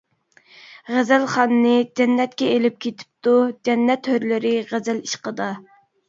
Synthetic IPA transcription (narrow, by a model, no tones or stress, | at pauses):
ʁæzælχɑnːɨd͡ʒɛnːɛt̪̚kʲɛelɪp̚kʲʰet̪ʰɪ̥p̚t̪ud͡ʒɛnːɛt̪høɾlɪɾɪʁæzæliʃqəd̪ɑ